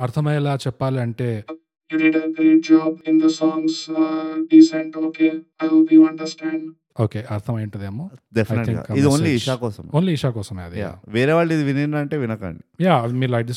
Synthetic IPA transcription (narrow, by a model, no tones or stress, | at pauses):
ɐɾt̪ʰɐmɐjɛlaːt͡ʃɛpːaːliɐɳʈe̞ː | juɾiʈɐkɾed͡ʒaːbɪ̃nd̪ɐsɔːŋɡsɖisẽɳʈoːkeːaʋiɐ̃ɳɖɐɾsʈɛ̃ːɳɖ | oːkeːʔɐɾt̪ʰɐmɐjɐɳʈɐd̪eːmoːɖefʰɐjnʰiŋɡka̰kːɐid̪ioːnliiʂaːkɔːsɐmoːnliːʃaːkɔːsɐmːɐ̰d̪ja̰ʋeːɾeʋaːɭːid̪iʋininɐɳʈeːʋinɐka̰ːɳɖijaːɐmiːɾlɐjʈis